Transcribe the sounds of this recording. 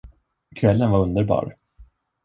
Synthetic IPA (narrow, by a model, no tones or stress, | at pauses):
kʰvɛlːənvaɾɵnd̪əɾbɑ̰ːɾ